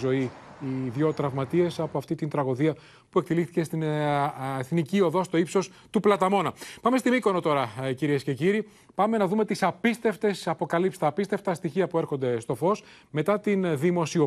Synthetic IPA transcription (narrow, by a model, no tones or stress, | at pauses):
zo̞iiðʝo̞t̪ɾɐvmɐt̪ie̞sɐpo̞ɐft̪it̪int̪ɾɐɣoðiɐ | pue̞k̚t̪ilixθice̞st̪in | eθnicio̞ðo̞st̪o̞ipso̞s | t̪uplɐt̪ɐmo̞nɐpɐme̞st̪imiko̞no̞t̪o̞ɾɐciɾie̞sce̞ciɾi | pɐme̞nɐðume̞t̪isɐpist̪e̞ft̪e̞sɐpo̞kɐlipsi̥t̪ɐːpist̪e̞ft̪ɐst̪içiɐpue̞ɾxo̞nd̪e̞st̪o̞fo̞s | me̞t̪ɐt̪inðimo̞sio